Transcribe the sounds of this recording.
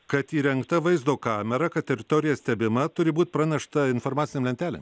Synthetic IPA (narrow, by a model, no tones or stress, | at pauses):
kɐt̪iːɾʲɛŋkt̪ɐʋɐɪzd̪oːkɑːmʲɛɾɐkɐt̪̚t̪ʲɛɾʲɪt̪oːɾʲɪjɛsʲt̪ʲɛbʲɪmɐt̪ʊɾʲɪbuːt̪ʲpɾɐnʲɛʃt̪ɐɪnfoːɾmɑːsʲɪnʲemlʲɛnʲt̪ʲæːlʲɛ̰m